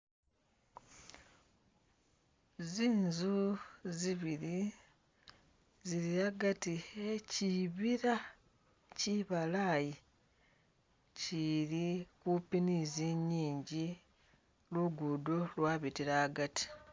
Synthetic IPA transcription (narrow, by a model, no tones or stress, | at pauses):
ziːnzuziβiɾi | ziɾiaɡatieciβiɾa | ciβalaːji | ciɾikupiniziɲːiːɲɟi | luɡudolwaːβitiɾaːɡati̥